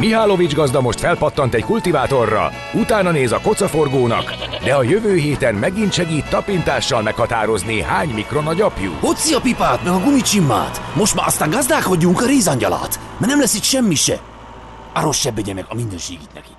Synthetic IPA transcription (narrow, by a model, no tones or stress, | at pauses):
miɦaːlo̞vid͡ʒɡɒzd̪ɒmo̞ʃt̪fɛlpɒt̪ːɒnt̪ɛckult̪ivaːt̪o̞rːɒ̰ | ut̪aːnɒneːzɒko̞t̪sɒfo̞rɡoːnɒ̰kd̪ɛɒjøvøːɦeːt̪ɛnmɛɡint̪ʃɛɡiːt̪ːɒpint̪aːʃːɒlmɛkhɒt̪aːɾo̞zniɦaːɲmikro̞nɒɟɒpjṵːot̪siɒpipaːt̪mɛɡɒɡumit͡ʃimːa̰ːt̪mo̞ʃt̪ma̰ʔɒst̪aːŋɡɒzd̪aːko̞ɟːuŋkɒɾeːzɒɲɟɒla̰ːt̪mɛnɛmlɛsik̪ʃɛmːiʃɛ̰ | aɾo̞ʃːɛbːɛɟɛmɛɡɒminːøːʃḛːɡit̪nɛ̰ki̥